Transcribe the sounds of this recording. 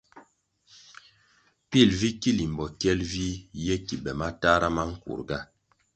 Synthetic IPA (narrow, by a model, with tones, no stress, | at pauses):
pi˦˨lvi˦ki˦li˨m˨bɔ˨kɛ˦lvi˦jɛ˦ki˨bɛ˨ma˦ta˦ɾa˦ma˦ŋ̩˦kṵ˨ɾɡa˦